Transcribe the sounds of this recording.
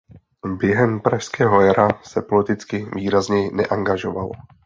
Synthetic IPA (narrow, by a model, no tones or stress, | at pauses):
bjɛɦɛmpɾaʃskɛːɦo̞jaɾasɛpo̞lɪt̪ɪt͡skɪviːɾazɲɛjɪnɛʔaŋɡaʒo̞valo̰